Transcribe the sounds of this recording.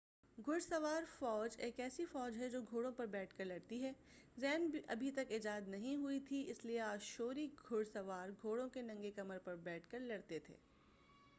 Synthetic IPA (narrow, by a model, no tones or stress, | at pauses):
ɡʱʊɽsɐʋaːɾfɔːd͡ʒeːkɛːsifɔːd͡ʒɦɛd͡ʒoːɡʱoːɽõpɐɾbɛːʈʰkɐɾlɐɽt̪iɦɛː | zɛːnbiʔɐ̰bʱit̪ɐkɪd͡ʒaːd̪nɐɦĩɦʊit̪ʰiɪslieaːd͡ʒʃoːɾiɡʱʊɽsɐʋaːɾɡʱoːɽõkenɐ̃ŋɡekɐməɾpɐɾbɛːʈʰkɐɾlɐɽt̪et̪ʰḛː